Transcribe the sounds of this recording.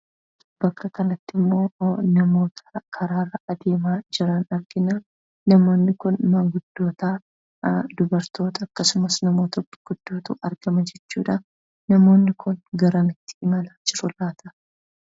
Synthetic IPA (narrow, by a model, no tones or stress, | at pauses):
b̥ɐkːɐkɐnɐt̪ːɪmːo̞ːnɐmo̞ːt̪ʰɐ̥kʰɐɾaːɾɐʔɐd̪e̞ːmaːd͡ʒɪɾɐnɐɾɡɪnaː | nɐmo̞ːnːɪkʊnmɐɡʊd̪̥ːo̞ːt̪aː | d̪ʊbɐɾt̪o̞ːt̪ɐːkːɐsʊmɐsnɐmo̞ːt̪ɐbːɐ̥ɡ̥ʊd̪̥ːo̞ːt̪ṵːʔɐɾɡɐmɐd͡ʒɛt͡ʃːṵːᶑɐ | nɐmo̞ːnːɪkʰʊnɡɐɾɐnɪt̪ːɪ̥ʔɪmɐlaːd͡ʒɪɾʊlaːt̪ʰɐ